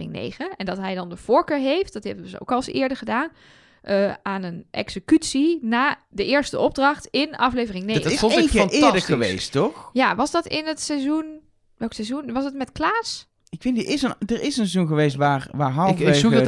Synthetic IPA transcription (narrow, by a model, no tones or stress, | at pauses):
ɪ̰ŋnḛːɣənɛndɑtɦɛjdɑndəv̥oːɹkøːɹɦejft̚dɔtɦɛbənzəo̰wkɑlˠsɪ̰ːɹdəɹχədaːn | ʔəaːnənʔɛ̰ksəkytsinaːdəʔɪːɹstəʔɔb̚drɑxtɪnɑflejvərɪŋneːxɪːnɪdəəʋejsttɔxjaʋɑsdɔtɪnətsɛzun | ʋɛlˠksɛzunʋɑsdətmɛtklaːs | ɪkfɪndiɪsəndəɹɪsənszunɣəʋejstʋaːɹʋaːɹɦɑlˠfe